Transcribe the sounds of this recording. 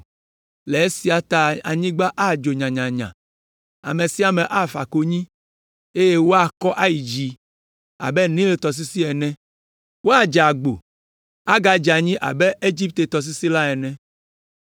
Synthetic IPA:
le˨e˦si˦a˨t̪a˨a˨ɲĩ˦ɡ͡ba˦ʔa˦d͡ʒo˨ɲã˨ɲã˨ɲã̰˨ | a̰˨mẽ˨si˦a˨mɛ̃˨ʔa˦fa̰˨ko˦ɲĩ˦ | e˦je˦wo˦a˨kɔ˦ʔa˦ji˨d͡ʒi˨ | a̰˨bɛ˦nĩ˦le˨t̪ɔ˨s̬i˦si˦ɛ˨nɛ̃˦ | wo˦a˨d͡ʒa˨ɡ͡bo̰˨ | a˦ɡa˨d͡ʒa˨ɲĩ˦ʔa̰˨be˦ʔe˦d͡ʒi˦p̚t̪e˨t̪ɔ˨s̬i˦si˦la˦ɛ˨nɛ̃˦

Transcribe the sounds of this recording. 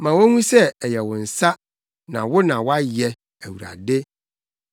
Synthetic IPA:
mã˨wɔ˦ŋũ˦sɛ˦ɛ˨jɛ˨wʊ̃˨n̩˨sa˦ | nã̰˨wʊ˦nã˨wʊ˦a˦jɛ˨ | æ˨wu˨ɾa̰˨de˦

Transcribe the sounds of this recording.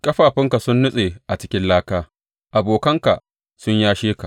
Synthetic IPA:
kɐ˦ɸaː˨ɸɪ˦ŋka˨sʊ˦nːʊ˦sʼe˨ʔa˨t͡ʃɪ˦kʲɪ˦nlaː˦kaː˦ | ʔa˨boː˨kɐ˦ŋka˨ | sʊ˦ɲjaː˦ʃeː˦ka̰˨ʔ

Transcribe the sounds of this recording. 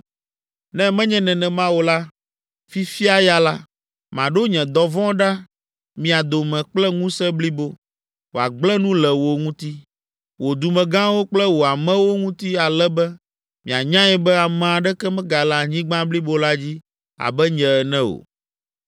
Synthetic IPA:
nɛ̃˦mɛ̃˦ɲɛ̃˨nɛ̃˨nɛ̃˨mã˦wo˨la˦ | fi˦fi˦a˦ja˦la˦ | mã˨ɖo˦ɲɛ̃˨d̪ɔ˨vɔ̃˦ɖa˦ | mĩ˨a˨d̪o˨mɛ̃˨k͡plɛ˦ŋũ˦sɛ˦bli˦bo˦ | wo˨a˨ɡ͡blɛ˦nũ˦lɛ˨wo˨ŋũ˦t̪i˦ | wo˨d̪u˨mɛ̃˨ɡã˦wo˦k͡plɛ˦wo˨a˨mɛ̃˦wo˦ŋũ˦t̪i˦a˨lɛ˦bɛ˦ | mĩ˨a˨ɲã˦ɛ˦bɛ˦a˨mɛ̃˨a˨ɖɛ˦kɛ˦mɛ̃˦ɡa˨la˨ɲĩ˦ɡ͡bã˦bli˦bo˦la˦d͡ʑi˦ | a̰˨bɛ˦ɲɛ̃˨ɛ˨nɛ̃˦wo̰˨

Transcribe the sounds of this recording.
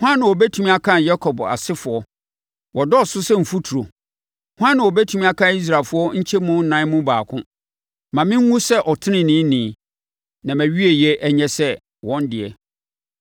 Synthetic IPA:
hʊ˦ã˦nːã˨wɔ˨bæ˦tʰu˦mĩ˦a˦kʰã˦˨ja˦kʰɔ˨ba̰˨sɪ˦fʊ˨ɔ˨ | wɔ˨dɔ˦ɔ˨sʊ˦sɛ˦m̩˨fu˦tʰu˨ɾo˨ | hʊ˦ã˦nːã˨ɔ˨bæ˦tʰũ˦mĩ˦a˦kʰã˦i˦s̬ɾa˨fʊ˦ɔ˦ɲ̩˦t͡ɕʰɛ˦mʊ̃˦n̩˦nã˦mʊ̃˦baː˨kʰʊ̰̃˦ | mã˨mɪ̃˦ŋ̩˦ũ˦sɛ˦ʔɔ˨tʰɪ̃˦nɪ̃˦˨nĩ˦nĩː˨ | nã˨mæ̃˨ɥi˦e˨jɛ˦ʔæ˨ɲɛ̃˦sɛ˦ | wɔ̃˦n˦dɪ˨ɛ̰˨

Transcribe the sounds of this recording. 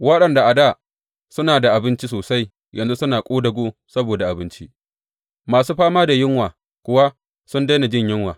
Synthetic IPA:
wɐ˦ɗɐ˨nda˨ʔa˨da˦˨ | sʊ˦naː˨da˨ʔa˨bɪ˦nt͡ʃi˦soː˨sa˦j | jʔɐ̰˨nzu˦sʊ˦naː˨kʷʼoː˦dɐ˨ɡʷoː˦sɐ˦boː˨da˨ʔa˨bɪ˦nt͡ʃḭ˦ʔ | maː˨suː˦ɸaː˦maː˦da˨jɪ˦ŋwaː˨ | kʷʊ˦wa˦ | sʊ˦nda˦jna˨d͡ʒɪ˦˨ɲjɪ˦ŋwa̰ː˨

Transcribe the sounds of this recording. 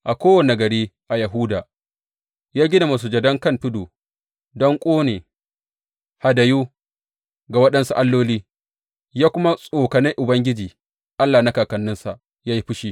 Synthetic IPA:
ʔa˨kʷoː˦wɐ˨ne˨ɡɐ˨ɽiː˦ʔa˨jɐ˨ɦʊ˦daː˨ | jaː˦ɡʲɪ˦na˨ma˨su˨d͡ʒɐ˨dɐ˦ŋkɐ˦˨ntʊ˦doː˨ | dɐ˦ŋkʷʼoː˦neː˨ | ha˨dɐ˨juː˦ | ɡa˨wɐ˦ɗɐ˦nsu˦ʔa˦lːoː˦liː˦ | jaː˦kʷʊ˦ma˦sʼoː˨kɐ˨nɪ˦ŋʔʊ˨bɐ˦ŋɡʲɪ˦d͡ʒiː˨ | ʔa˦lːaː˨na˦kaː˨kɐ˨nːɪ˦nsa˨ʔ | jaː˦ji˦ɸʊ˦ʃiː˦

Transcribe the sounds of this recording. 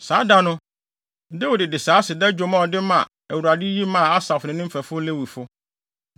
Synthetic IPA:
saː˨˦da˨nʊ̃˦ | de˦wu˨dɪ˨dɪ˨saː˨˦sɪ˨dɛ˦d͡ʑᶣʊ˨mã˦ɔ˨dɪ˦mã˨ | æ˨u˨ɾa˨dɪ˦ji˦mã˨a˦sa˨fʊ˨ɾɪ̃˨˦nɪ̃˦m̩˦fɛ˨fʊ˦le˦wi˨fʊ˦

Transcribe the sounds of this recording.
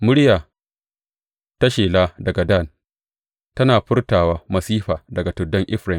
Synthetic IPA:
mʊ˦ɽjaː˨ | ta˦ʃeː˨laː˦dɐ˨ɡa˨daː˦˨n | tɐ˦naː˨ɸɪ˦rtaː˨waː˦mɐ˨siː˦ɸaː˨dɐ˨ɡa˨tʊ˨dːɐ˦ŋʔɪ˦ɸɾaː˨˦

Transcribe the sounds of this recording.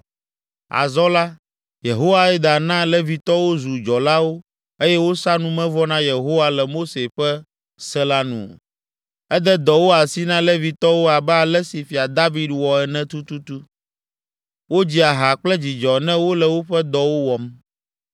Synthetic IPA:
a̰˨zɔ˦la˦ | je˨ɦo˦wa˨ɛ˦d̪a˨nã˦lɛ˦vi˨t̪ɔ˦wo˦zu˨d͡ʒɔ˨la˦wo˦ | e˦jɛ˦wo˦sa˦nũ˦mɛ̃˦vɔ˦nã˦je˨ɦo˦wa˦lɛ˨mo˦se˨ɸɛ˦ | sɛ˦la˦nṵ̃˨ | ɛ˦d̪ɛ˦d̪ɔ˨wo˦a˨si˦nã˦lɛ˦vi˨t̪ɔ˦wo˦a˨bɛ˦a˨lɛ˦si˨fi˨a˨d̪a˦vi˦dwɔ˨ɛ˨nɛ̃˦t̪u˦t̪u˦t̪u˦ | wo˦d͡ʑi˦a˨ɦa˨k͡plɛ˦d͡ʑi˨d͡ʒɔ˨nɛ̃˦wo˦lɛ˨wo˦ɸɛ˦d̪ɔ˨wo˦wɔ˨m

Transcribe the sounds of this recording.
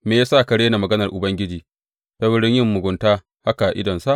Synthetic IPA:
meː˨jaː˦saː˦˨kɐ˨ɽeː˦na˨mɐ˨ɡɐ˦nɐ˨rʔʊ˨bɐ˦ŋɡʲɪ˦d͡ʒiː˨ | ta˦bɪ˦ɽɪ˦ɲjɪ˦˨mːʊ˨ɡʷʊ˦ntaː˦ | ha˦ka˨ʔɪ̰˦dɔ˨nsa˦ʔ

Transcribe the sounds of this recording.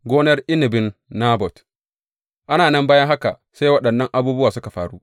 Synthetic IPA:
ɡʷoː˦nɐ˦rʔɪ˦nɪ˨bɪ˦nːaː˦bɔ˨t | ʔa˦naː˨nɐ˦mbaː˦jɐ˦ɦa˦ka˨ | sa˦jwɐ˦ɗɐ˨nːɐ˦ŋʔa˨buː˦bʊ˦waː˨sʊ˦ka˨ɸaː˨ɽu˦

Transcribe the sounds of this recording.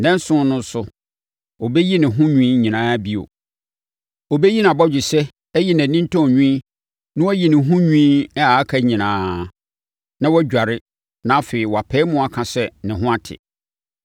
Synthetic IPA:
nɛ̃˦n̩˦sʊ̃˦nʊ̃˦n˦sʊ˨ | o˨bɛ˦ji˦nɪ̃˨ɦʊ̃˦ɲuĩː˦ɲĩ˨nãː˦bi˦o̰˨ | o˨be˦ji˦nã˨bɔ˦d͡ʑᶣɪ˨sɛ˦ | æ˦ji˦nã˨nĩ˦n˦tʰɔ̃˦˨ɲũ˦ | nɪ̃˦wɔ˦ji˨nɪ̃˨ɦʊ̃˦ɲᶣĩː˦a˨a˦kʰa˨ɲĩ˨nãː˨˦ | nã˦wɔ˦d͡ʑᶣa˨ɾɪ˦ | nã˦fe˨ɪ˨wɔ˨a˨pʰɛː˦mʊ̃˦a˨kʰã˨sɛ˦nɪ̃˨ɦʊ̃˦a˦tʰɪ̰˨

